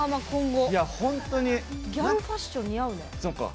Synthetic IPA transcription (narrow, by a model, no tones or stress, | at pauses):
amakõŋɡojahõnt̪oɲ̟iɡʲjamfaɕt͡ɕõɲʲːijaɯnesoka̰